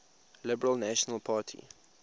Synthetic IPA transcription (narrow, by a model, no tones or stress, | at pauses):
lɪbəɹəlnæʃɔnəlˠpʰaːtʰḭ